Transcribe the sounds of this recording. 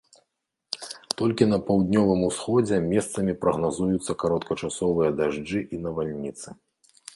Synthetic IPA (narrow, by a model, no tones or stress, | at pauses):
t̪ɔlʲkʲinɐpawd̪nʲɔvɨmusxɔd͡zʲɛmʲɛst̪sɐmʲipɾɐɣnazujut̪sːɐkaɾɔt̪kɐt͡ʂasɔvɨjɐd̪aʐd͡ʐɨʔinɐvalʲnʲit̪sɨ̥